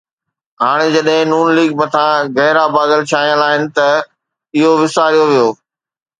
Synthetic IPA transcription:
ɦaːɽ̃ed͡ʑɐɗɦɪ̃nuːnliːɡ̚mɐt̪ʰãɣɛɦɾabaːd̪əlt͡ɕʰaːijə̃laːɦɪnɪ̆t̪ɐ | ɪɦoʋɪsaːɾijoʋijoː

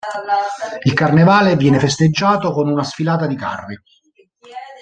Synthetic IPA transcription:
ilkarnevaːlevjɛːnefest̪ed͡ʒːaːt̪okonunasfilaːt̪ad̪ika̰rːi

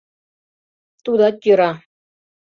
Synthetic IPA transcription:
t̪uðɑt̪jŏɾɑ

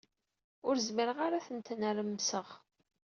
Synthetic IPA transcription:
ʊɾzməɾəʁaɾaθənt̪nəɾəmːsəʁ

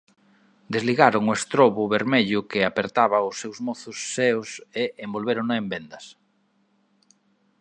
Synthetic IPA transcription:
d̪ezliɣaɾoŋʊest̪ɾoβʊβeɾmeʎʊkɪapeɾt̪aβɐʊsːewzmoθʊsːeʊseembolβeɾoŋnaembend̪ɐs

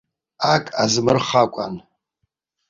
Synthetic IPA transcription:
akʼazmɨrχakʷʼa̰n

